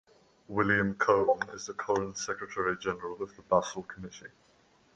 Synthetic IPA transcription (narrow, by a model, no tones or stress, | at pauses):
wɪljə̃mkʰəʊə̃nɪ̰zðəkʰɒlə̃nsɛkɹətʰəɹid͡ʒɛnəɹələvðəbʌsəlˠkʰəmɪti